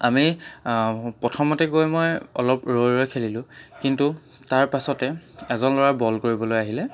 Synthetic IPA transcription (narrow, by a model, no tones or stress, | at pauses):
ami | pɹɔtʰɔmɔtɛɡojmojɔ̰lɔpɹojɹɔjkʰelilʊ̃kintu | taɹpasɔtɛɛzɔnlɔɹabɔlkoɹibɔlojaɦilɛ